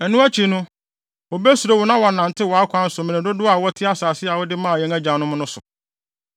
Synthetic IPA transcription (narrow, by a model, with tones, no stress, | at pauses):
ɛ˨nʊ̃˦æ˦t͡ɕʰi˨nʊ̃˦ | wɔ˨be˦su˨ɾo˨wɔ˦nã˦wɔ˨nã˨ntʰɪ˦wɔ˨a˦kʷʰã˦n̩˦sʊ˨mɪ̃˨nɪ̃˨dʊ˦dʊ˦a˨wɔ˦tʰɪ˦a˦saː˨sɪ˦a˨wɔ˦dɪ˦mãː˦˨jɛ̃˦ŋæ˦d͡ʑã˨nʊ̃˦mʊ̃˦nʊ̃˦sʊ˨